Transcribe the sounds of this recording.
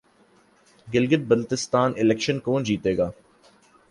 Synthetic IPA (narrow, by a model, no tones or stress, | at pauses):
ɡɪlɡɪʈ̪̚bəlt̪ɪst̪aːnʔɪlɛkʃənkõːnd͡ʒiːt̪eːɡaː